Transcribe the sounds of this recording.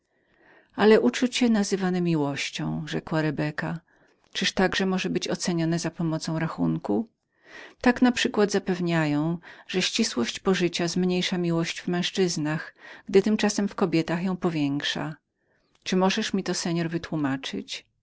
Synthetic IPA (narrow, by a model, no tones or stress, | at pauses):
alɛʔut͡ʂut͡ɕɛnazɘvanɛmʲiwɔɕt͡ɕɔ̰̃w̃ʐɛkwaɾɛbɛka | t͡ʂɘʂt̪aɡʐɛmɔʐɛbɘt͡ɕɔt̪sɛɲɔnɛzapɔmɔt̪sɔ̃w̃ɾaxunku | t̪aknapʂɘkwad̪zapɛvɲajɔ̃w̃ʐ̥ɛɕt͡ɕiswɔɕt͡ɕpɔʐɘt͡ɕazmɲejʂamʲiwɔɕd͡ʑvmɛ̃w̃ʂt͡ʂɘznaxɡ̥d̪ɘt̪ɘmt͡ʂasɛmfkɔbʲjɛt̪axjɔ̃w̃pɔvʲjɛŋkʂa̰ | t͡ʂɘmɔʐɛʂmʲit̪ɔsɛɲɔɾvɘt̪wumat͡ʂɘ̰t͡ɕ